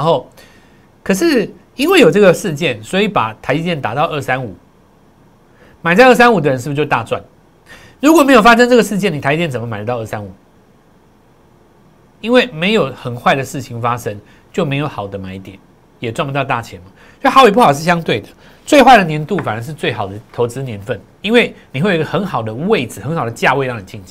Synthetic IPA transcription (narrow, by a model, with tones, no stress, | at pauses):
ɻa˧nxo˥˩ʊ | kʰə˨˩ʂɻ̩˥˩ | i˥nwe˥˩ɪjo˨˩ʊʈ͡ʂɤ˥˩ɡə˩ʂɻ̩˥˧t͡ɕjɛ˥˨˩nswɔ˧˥i˧˥pa̰˨˩t̪ʰa˧˥ɪi˥˧t̪jɛ˥˩nt̪a˨˩t̪ɑ˥˧ʊʔə˥˩sa˦nu˨˩ | ma˨ɪt͡sa˥˧ɪə˥˩s̬a˥nu˨˩d̪ə˩ɻə˧˦nʂɻ̩˥˩˧t͡ɕjo˥˧t̪a̰˥˧˨t͡swa̰˥˩n | ɻu˧˥kwɔ˨me˧˥ɪjo˨˩fa˥ʂ̬ə˥ŋʈ͡ʂɤ˥˩ɡə˩ʂɻ̩˥˧t͡ɕjɛ˥˩ni˨˩a˧˥i˥˧jɛ˥˩nt͡sə˩mə˦ma˨ɪdə˦t̪ɑ˥˧ʊə˥˩sa˦nu˨˩˦ | i˥nwe˥˩ɪme˧˥ɪjo˨ʊxə˨˩nxwa˥˩ɪd̪ə˩ʂɻ̩˥˩t͡ɕʰi˨˩ŋfa˥ʂə˦ŋ | t͡ɕjo˥˩ʊme˧˥ɪjo˧˥ʊxɑ˨˩ʊd̪ə˦ma˨˥ɪi˥˩t̪jɛ˨˩n | jɛ˨˩t͡swa˥˩nbu˧t̪ɑ˥˧ʊt̪a̰˥˩t͡ɕʰjɛ˧˥nmɐ˨˦˥xɑ˧˥ʊi˨˩p̬u˥xɑ˨ʊʂɻ̩˥˩ɕjɑ˥ŋt̪we˥˩ɪd̪ə˩ | t͡swe˥˧ɪxwa˥˩ɪd̪ə˩njɛ˧˦˥nt̪u˥˨fa˨nə˧˥ʂɻ̩˥˧t͡swe˥˩ɪxɑ˨˩ʊd̪ə˦t̪ʰo˧˥ʊt͡sɻ̩˥njɛ˧˥nfə˥˩n | i˥nwe˥˩ɪni˨we˥˩jɡə˧xə˧˥nxɑ˨˩ʊd̪ə˦we˥˩ɪd͡zɹ̩˨˩xə˧˦nxɑ˨˩d̪ə˩t͡ɕja˥˧we˥˧ɪlɑ˥˧ŋn˨˩t͡ɕʰi˥˧nʰ˨